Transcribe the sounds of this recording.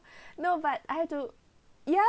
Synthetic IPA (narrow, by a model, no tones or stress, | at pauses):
nobat̚aɪhɛvtu | ja